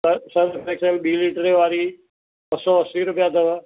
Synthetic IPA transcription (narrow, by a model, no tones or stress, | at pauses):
sɐdpɾeːkselɓiːliːʈəɾeʋaːɾi | bɐsɔɐsiːɾʊpijaːd̪əʋə